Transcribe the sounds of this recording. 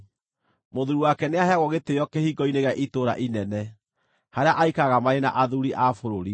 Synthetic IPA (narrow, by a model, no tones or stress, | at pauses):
moðuɾuwakɛneaɦaɣɔɣetejɔkehiɡɔineɣaʔitoɾa̰ʔinɛnɛ | haɾeaʔaikaɣamaɾena̰ʔaðuɾiʔafoɾoɾi